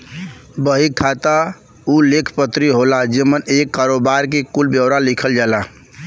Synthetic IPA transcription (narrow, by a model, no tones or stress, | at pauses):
bəɦikʰːat̪a | ulekʰpət̪ɾiɦolad͡ʒemənekːaɾobaɾkekulbjəwɾalikʰəld͡ʒala